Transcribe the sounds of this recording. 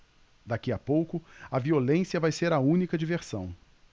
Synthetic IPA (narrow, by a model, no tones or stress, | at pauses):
d̪akiɐpowkʊɐviolẽsiɐvajseɾɐũnikɐd͡ʒiveɾsɐ̰̃w̃